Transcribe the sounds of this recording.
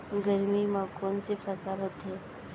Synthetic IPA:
ɡəɾmimãkɔːnsefɐsaːɾət̪ɦɛː

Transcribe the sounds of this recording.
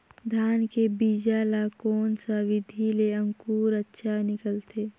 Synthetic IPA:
d̪ʱaːnkebiːd͡ʒaːlakoːnsaʋɪd̪ʱileə̃ŋkuːɾətːʃʰanɪkəlt̪ʰeː

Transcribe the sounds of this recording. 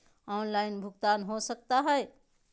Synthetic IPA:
ɔnlainbʱuɡt̪anɦosək̚t̪aɦəe

